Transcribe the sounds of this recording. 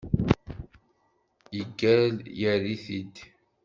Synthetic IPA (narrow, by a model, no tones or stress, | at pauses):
iɡæljæɾiθid̪